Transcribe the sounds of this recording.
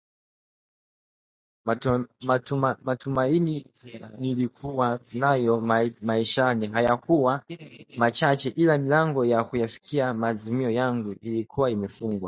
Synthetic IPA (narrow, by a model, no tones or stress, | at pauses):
matumaini | nilikuwainajɔmaiʃaniɦajakuwamat͡ʃat͡ʃɛʔilamilaŋɡɔjakujafi̥kiamaːzimiɔjaŋɡuilikʰuwaimɛfuŋɡwa